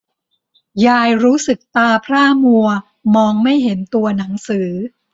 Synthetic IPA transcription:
jaː˧jɾuː˦˥sɯ˨˩k̚t̪aː˧pʰɾaː˥˩mu˧ɐ | mɔː˧ŋma˥˩jɦe˩˦nt̪u˧ɐna˩˦ŋsɯː˩˦

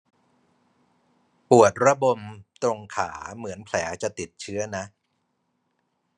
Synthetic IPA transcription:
pu˨˩ət̪̚ɾa˦˥bo˧mt̪ɾo˧ŋkʰa̰ː˩˦mɯ˩˦ənpʰlɛː˩˦t͡ɕa˨˩t̪i˨˩t̪̚t͡ɕʰɯ˦˥ɐna˦˥ʔ

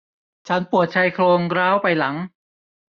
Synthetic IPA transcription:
t͡ɕʰa˦˥npu˨˩ət̪̚t͡ɕʰa˧jkʰloː˧ŋɾaː˦˥˩wpa˧jla˩˦ŋ

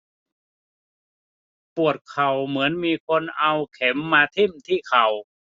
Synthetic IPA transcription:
pu˨˩ət̪̚kʰa˨˩wmɯ˩˦ənmiː˧kʰo˧nʔa˧wkʰɛ˩˦mːaː˧t̪ʰi˥˩mt̪ʰiː˥˩kʰa˨˩w

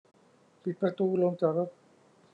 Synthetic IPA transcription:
pi˨˩t̪̚pɾa˧t̪uː˧lo˧ŋt͡ɕaː˨˩kɾo˦˥t̪̚

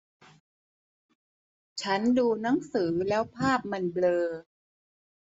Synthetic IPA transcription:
t͡ɕʰa˦˥nduː˧na˦˥ŋsɯː˩˦lɛː˦˥wpʰaː˥˩p̚ma˧nblɤː˧

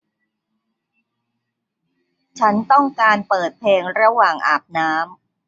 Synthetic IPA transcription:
t͡ɕʰa˦˥nt̪ɔ˥˩ŋkaː˧npɤː˨˩t̪̚pʰeː˧ŋɾa˧waː˨˩ŋʔa̰ː˨˩p̚naː˦˥m

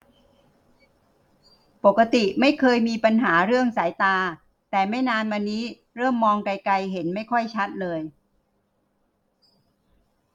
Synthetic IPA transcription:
po˨˩kːa˧t̪i˨˩ma˥˩jkʰɤː˧jmiː˧pa˧nɦaː˩˦ɾɯ˥˩əŋsaː˩˦jt̪aː˧ | t̪ɛː˨˩ma˥˩jnaː˧nwa˧nːiː˦˥ | ɾɤː˥˩mːɔː˧ŋka˧jka˧jɦe˩˦nma˥˩jkʰɔ˥˩jt͡ɕʰa˦˥t̪̚lɤː˧j

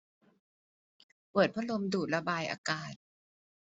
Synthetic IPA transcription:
pɤː˨˩t̪̚pʰa˦˥lo˧mduː˨˩t̪̚ɾa˧baː˧jʔa̰ː˧kaː˨˩t̪̚

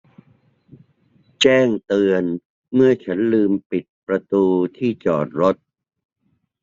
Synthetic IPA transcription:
t͡ɕɛː˥˩ŋt̪ɯ˧ən | mɯ˥˩ɐt͡ɕʰa˦˥nlɯː˧mpi˨˩t̪̚pɾa˧t̪uː˧t̪ʰiː˥˩t͡ɕɔː˨˩t̪̚ɾo˦˥t̪̚

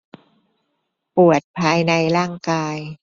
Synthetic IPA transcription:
pu˨˩ət̪̚pʰaː˧jna˧jɾaː˥˩ŋkaː˧j

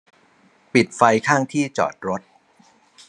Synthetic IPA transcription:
pi˨˩t̪̚fa˧jkʰaː˥˩ŋt̪ʰiː˥˩t͡ɕɔ̰ː˨˩t̪̚ɾo˦˥t̪̚

